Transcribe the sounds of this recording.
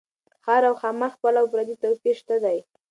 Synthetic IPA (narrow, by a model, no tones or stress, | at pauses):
xɑɾawxɑməxpəlaʊpɾad̪it̪awpeʃt̪ad̪aj